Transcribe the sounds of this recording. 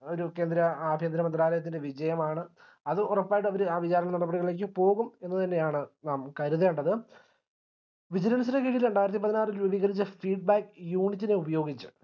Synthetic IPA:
o̞ɾuke̞ːnd̪ɾɐaːbʱeːnd̪ɾɐmɐnd̪ɾaːlɐjɐt̪̬ːinde̞ʋid͡ʑɐjɐmaːɳɨ | ɐðɨɔrɐpːaːjiʈ̬ːɨɐʋɐɾuaːʋit͡ɕaːɾɐɳɐnɐɽɐbːɐɽiɣɐɭleːk̬ːɨpo̞ːɣume̞nːɨt̪ɐnːe̞jaːɳɨnaːmkɐɾuðɐuɳɖɐðɨ | ʋid͡ʑɐɾɐnusɐɾɐkeɻijiluɳɖaːjiɾɐt̪ːipɐðinaːrilʋubiːɣɐɾit͡ɕːɐfiːɖ̚baːkːjuːɳitːine̞ubɐjo̞ːɡit͡ɕːɨ̥

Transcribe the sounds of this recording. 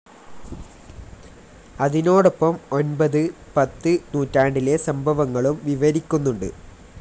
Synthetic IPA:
ɐðino̞ːɽopːɐmo̞nbɐðɨ | pɐt̪ːɨnuːtːaːɳɖile̞sɐmbʱɐʋɐŋːɐɭumʋiʋɐɾikʲːunːuɳɖɨ̰

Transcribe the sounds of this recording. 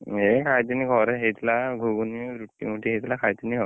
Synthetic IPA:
ɦekʰajt̪inːikɔɾeɦejt̪laɡʱuɡuniɾuʈːḭmuʈiɦejt̪ʰlakʰajt̪inːikʰɔ

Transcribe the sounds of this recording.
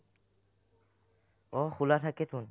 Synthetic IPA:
ɔxʰulatʰaket̪ʰun

